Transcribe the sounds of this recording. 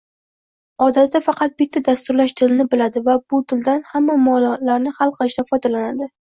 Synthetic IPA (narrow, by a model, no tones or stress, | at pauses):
ɒd̪at̪d̪afɑqʰɑt̪̚bɪt̪ʰːad̪ast̪ʊɾlaʃt̪ʰɪlɪnɪbɪlad̪ɪvabʊt̪ʰɪld̪anhamːamɒllaɾnɪhalˠqʰɨlˠɪʃd̪afɒjd̪alanad̪ɪ